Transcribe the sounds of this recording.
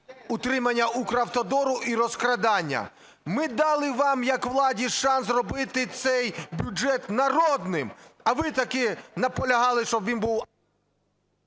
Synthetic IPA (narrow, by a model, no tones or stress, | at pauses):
ut̪ɾɪmɐnʲːɐukɾɐwt̪ɔd̪ɔɾʊʔiɾɔskɾɐd̪ɑnʲːɐ̰ | mɪd̪ɑlˠɪʋɑmjɐkʋlˠɑdʲiʃɑnsrɔbɪt̪ɪt̪sɛjbʲud͡ʒɛt̪nɐɾɔd̪nɪmɐʋɪt̪ɐkɪnɐpɔlʲɐɦɑlˠɪʃt͡ʃɔbʋʲinbuw